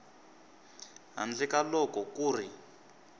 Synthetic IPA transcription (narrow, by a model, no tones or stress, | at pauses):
ɦa̰nd͡ɮɛkalɔkɔkuːri